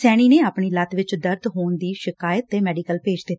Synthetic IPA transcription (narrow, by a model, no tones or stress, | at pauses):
sɛːɽ̃iːneːaːpɳiːlət̪ʋɪt͡ʃd̪əɾd̪ɦoːnd̪iːʃɪkaːjət̪ːeːmɛːɖiːkəlpeːd͡ʒd̪ɪt̪ː